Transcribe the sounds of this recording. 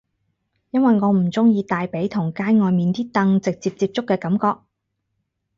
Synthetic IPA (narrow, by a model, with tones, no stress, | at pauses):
jɐ˥nwɐ˨jŋɔː˨˧m̩˨˩t͡sʊ˥ŋjiː˧t̪aː˨jpe˨˥jt̪ʰʊ˨˩ŋkaː˥jŋɔː˨˧jmiː˨nt̪iː˥t̪ɐ˧ŋt͡sɪ˨k̚t͡siː˧p̚t͡siː˧p̚t͡sʊ˥kːɛː˧kɐ˨˥mkɔː˧k̚